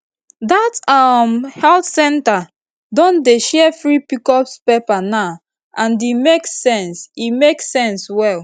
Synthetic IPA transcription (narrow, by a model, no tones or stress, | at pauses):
datamhɛltsɛ̃nta | dɔ̃ndeʃɛfɹipikɔpspepanaʊ | ʔãndimeksɛ̃nsimeksɛ̃nswɛl